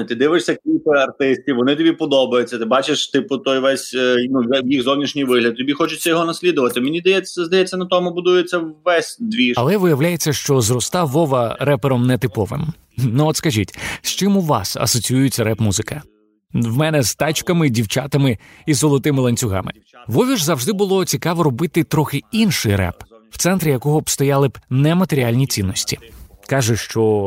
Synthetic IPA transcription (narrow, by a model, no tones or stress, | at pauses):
t̪ɪd̪ɪʋɪʃsʲɐkʲit̪ɪɐrt̪ɪsʲtʲiʋʋɔnɪt̪ɔbʲipɔd̪ɔbɐjʊt͡sʲːɐt̪ɪbɑt͡ʃeʃt̪ɪpʊt̪ɔjʋɛsʲnujɛwjixzɔwnʲiʃnʲijʋɪɦlʲɐd̪̚t̪ɔbʲixɔt͡ʃʊt͡sʲːɐjɔɦɔnɐsʲlʲid̪ʊʋɐt̪ɪmenʲizd̪ɐjɛt͡sʲɐzd̪ɐjɛt͡sʲːɐnɐt̪ɔmʊbʊd̪ujet͡sʲːɐwʋɛsʲd̪ʋʲiɐlˠɛʋɪjɐʋlʲajet͡sʲːɐʃt͡ʃɔzrɔst̪ɑʋɔʋɐɾɛpeɾɔmnɛt̪ɪpɔʋɪ̰m | nuɔt̪skɐʒʲitʲʃt͡ʃɪmʊʋɑ̰sɐ̰sɔt͡sʲijujɪt͡sʲɐɾɛpmuzɪkɐ | wmɛnɛzt̪ɑt͡ʃkɐmɪdʲiwt͡ʃat̪ɐmɪ | izɔlˠɔt̪ɪmɪlˠɐnʲt͡sʲʊɦɑ̰mɪ̰ | ʋɔʋʲiʒzɐwʒd̪ɪbʊlˠɔt͡sʲikɑʋɔɾɔbɪt̪ɪt̪ɾɔxɪinʃɪjɾɛ̰pw̥t̪sɛnt̪ɾʲɪjɐkɔɦɔbst̪ɔjɑlˠɪbnɛmɐt̪eɾʲialʲnʲit͡sʲinːɔsʲtʲikɑʒɛʃt͡ʃɔ